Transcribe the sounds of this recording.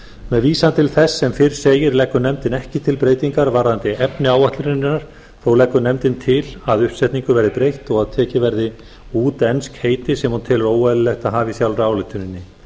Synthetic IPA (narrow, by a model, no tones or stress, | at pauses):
mɛðviːsant̪ʰɪlθɛsːɛmfɪɾ̥seːjɪɾlɛkːʏnɛmt̪ɪnɛhcɪt̪ʰɪlpɾeːjt̪iŋkaɾvaɾant̪ɪɛpnɪaːwvaht̪lʏɾɪnnːaɾ̥ | θowlɛkːʏnɛmt̪ɪnt̪ʰɪlaðʏhpsɛt̪niŋkʏvɛɾðɪpɾejht̪ɔɣaðt̪ʰɛːcɪvɛɾðɪ | uːt̪ɛnskheːjt̪ɪsɛmunt̪ʰɪlɾoːwaðɪlɛht̪aɦaːvɪsjawlraːwlɪt̪ʰʏnɪnːɪ